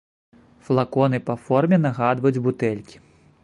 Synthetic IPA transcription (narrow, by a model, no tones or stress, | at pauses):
flˠakɔn̪ɨpɐfɔrmʲɛn̪aɣad̪vɐjud͡zʲbut̪ɛlʲkʲi̥